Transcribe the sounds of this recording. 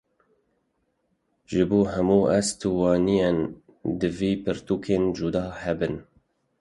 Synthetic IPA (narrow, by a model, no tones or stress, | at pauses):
ʒɨbuːɦɛmuːʔɛst̪ʰuːwɑːnijen | d̪ɨviːpʰɨɾt̪uːkʰeːnd͡ʒud̪ɑːhɛbɨn